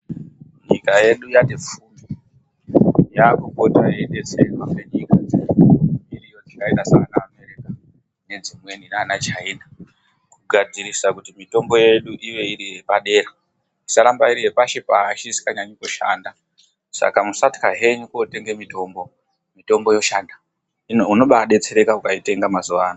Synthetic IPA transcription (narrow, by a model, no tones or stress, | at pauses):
ɲikaje̞ɗujatep͡fuːmbi | jakuko̞tajeɗet͡seinwakweɲikad͡zeirijod͡zikaitasaanaːme̞ɾika | ne̞nd͡zimwe̞ninaːnat͡ʃaiːna | kuɡʱad͡ziɾisakutimito̞mbo̞je̞ɗuʔiʋe̞iɾiɦe̞paɗe̞ɾa | isaɾambaiɾiɦepaʃipaɦaʃisi̥kaɲaɲikoʃa̰nda | sa̰kamusati̥kaɦe̞ɲukote̞ŋɡe̞mito̞mbo̞ | mito̞mbo̞jo̞ʃaːnda | iuno̞ɓaɗe̞t͡se̞ɾe̞kaukaite̞ŋɡamazuʋaːno